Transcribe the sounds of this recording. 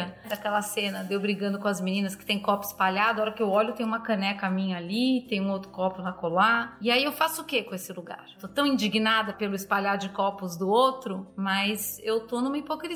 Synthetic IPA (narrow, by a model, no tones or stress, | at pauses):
ɐd̪akɛlɐsẽnɐd̪ewbɾiɡɐ̃nd̪ʊkõɐzminĩnɐskɪ̥t̪ẽj̃kɔpʊi̥spaʎad̪ʊɔɾɐkɪewɔlʊt̪ẽj̃ũmɐkɐ̃nɛkɐmĩɲɐalit̪ẽj̃ũowt̪ɾʊkɔpʊnɐkolaɪaiewfasʊʊkekõesɪluɡa̰ɾwt̪ot̪ɐ̃w̃ĩd͡ʒiɡinad̪ɐpelʊispaʎaɾʊd͡ʒɪkɔpʊzd̪ʊowt̪ɾʊmɐjzewt̪onũmɐipokɾi